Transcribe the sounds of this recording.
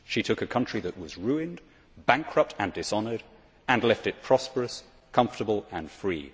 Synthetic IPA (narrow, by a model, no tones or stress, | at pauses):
ʃitʰʊkɨkʰʌ̃nt͡ʃɹ̥iðɨʔ̚wʌzɹʉɪ̃nd | bæ̃ŋkʰɹʌp̚tʰɨ̃ndɨsɑnə˞ɾ | ɨ̃nlɛftɨt̚pʰɹ̥ɑspə˞ɨs | kʰʌ̃ɱftəbəlˠə̃nfɹḭ